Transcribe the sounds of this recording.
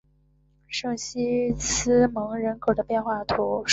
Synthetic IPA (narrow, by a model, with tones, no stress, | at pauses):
ʂɤ˥˩ŋɕi˥t͡sʰɹ̩˥mɤ˧˥ŋɻə˧˥nkʰo˨˩ʊd̪ə˦pjɛ˥˧nxwa˥˩t̪ʰu˧˥ʂ